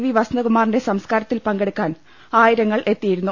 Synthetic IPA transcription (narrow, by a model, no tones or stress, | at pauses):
ʋiʋɐsnɐkumaːrinde̞sɐmskaːɾɐt̪ːilpɐŋɡeɽukːaːn | aːjiɾɐŋːɐɭʔe̞t̪ːijiɾunːu